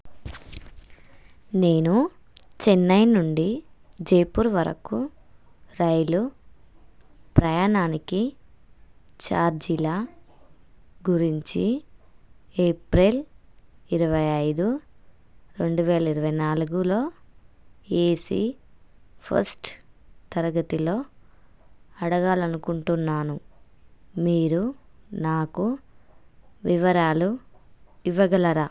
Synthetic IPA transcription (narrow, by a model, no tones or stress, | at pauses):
ne̞ːnu | t͡ʃenːɐjnuɳɖid͡ʒɐjpuːɾʋɐɾɐ̰ku | ɾɐjlu | pɾɐjaːɳaːniki | t͡ʃaːɾd͡ʒilaː | ɡuɾiɲt͡ʃi | eːpɾel | iɾɐʋɐjɐjd̪u | ɾe̞ɳɖuʋɛːlɐiɾɐʋɐjnaːluɡulo̞ː | eːsḭ | pʰɐ̰ɾsʈt̪ɐɾɐɡɐt̪ilo̞ː | ɐɽɐɡaːlɐnukuɳʈunːaːnu | miːɾunaːku | ʋiʋɐɾaːlu | iʋɐɡɐlɐɾaː